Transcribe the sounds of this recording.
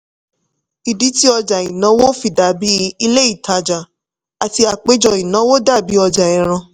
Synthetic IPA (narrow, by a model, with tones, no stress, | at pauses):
i˨di˨˦ti˦ɔ˧d͡ʒa˨i˨nã˨˦wo˦fi˦˨da˨˦bi˦˧˦i˧le˦i˦˨ta˧d͡ʒa˨ | a˨ti˧a˨k͡pe˦d͡ʒɔ˧˨i˨nã˨˦wo˦da˦˨bi˨˦ɔ˧d͡ʒa˨ɛ̃˨ɾ̃ã˧